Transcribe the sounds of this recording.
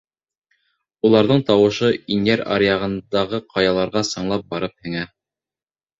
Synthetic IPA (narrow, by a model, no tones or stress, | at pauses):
ulˠɑɾðɤɴt̪ɑwɤ̆ʃɤinæɾɑ̰ɾjɑʁɤ̆nd̪ɑʁɤqʰɑjɑlˠɑɾʁɑsɤ̆ɴlˠɑp̚bɑɾɤp̚hɘ̆ŋæ